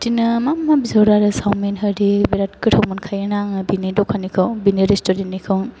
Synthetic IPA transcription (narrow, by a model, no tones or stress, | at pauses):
tinɯmamːabizawɾaɾɯsawmenɦɯɾibiɾat̚kɯtʰowmɔnkʰajɯnaŋbinidɔkʰanikʰawbiniɾestɔɾennːikʰaw